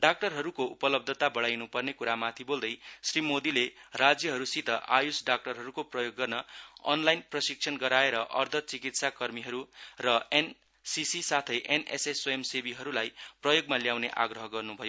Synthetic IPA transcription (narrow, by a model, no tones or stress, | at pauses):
ɖak̚ʈʌrɦʌɾukoupʌlʌb̚d̪ʱʌt̪abʌɽajnupʌrnekuɾamat̪ʰibold̪ʌjsrimod̪ilerad͡zjʌɦʌɾusit̪ʌʔajusɖak̚ʈʌrɦʌɾukoprʌjoɡːʌrnʌʌ̰nlajnprʌsik̚sʰʌnɡʌɾaeɾʌʔʌrd̪ʱʌt͡sikit̪sakʌrmiɦʌɾurʌen | sisisat̪ʰʌjʔenḛsesojemsebiɦʌɾulajprʌjoɡmaljawneʔa̰ɡrʌɦʌɡʌrnubʱʌjo